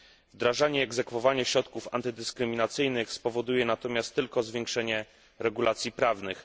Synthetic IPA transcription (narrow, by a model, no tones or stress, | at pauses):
vd̪ɾaʐaɲɛːɡzɛkfɔvaɲɛɕɾɔt̪kufa̰nt̪ɘd̪ɘskɾɘmʲinat̪sɘjnɘxspɔvɔd̪ujɛnat̪ɔmʲjast̪ːɘlkɔzvʲjɛ̃ŋkʂɛɲɛ | ɾɛɡulat̪sʲjipɾavnɘx